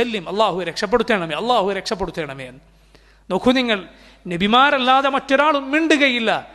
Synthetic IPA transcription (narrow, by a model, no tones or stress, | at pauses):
ɐlːimɐlˠˤːaːɦuɾekʂɐp̬ːeɽut̪ːe̞ːɳɐmeːɐlˠˤːaːhuɾekʂɐp̬ːeɽut̪ːeːɳɐmeːn | nokʰuniŋːɐɭ | nebʱimaːɾɐlːaːðɐmɐtːo̞ɾaːɭumːiɳɖuɣɐjilːɐ